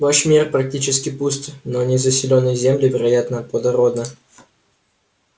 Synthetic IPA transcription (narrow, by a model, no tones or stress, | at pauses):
vaʂmʲirpɾɐk̚tʲit͡ɕɪskʲɪpust̪nonʲɪzəsʲɪlʲonːəjzʲemlʲɪvʲɪɾɐjat̪nəplˠəd̪ɐɾod̪nə